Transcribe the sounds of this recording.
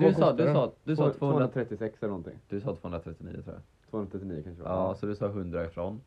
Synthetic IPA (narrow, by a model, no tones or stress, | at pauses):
d̪sɑːd̪ɵsɑːd̪ɵsɑːt̪fvoːɵnɾɾat̪ʰɾɛt̪ːɪsɛksɛlɛnɔnt̪ɪ̰ŋd̪̥ɵsɑːt̪ʰvoːɵnɾat̪ʰɾɛt̪ːɪnḭːət̪ʰɾṵːja̰ | t̪ʰoːɵnɾat̪ʰɛt̪ɪniːʊkanʃə̰ɑːsɔd̪ɵsɑːɦɵnd̪ɾaɪfɾoːn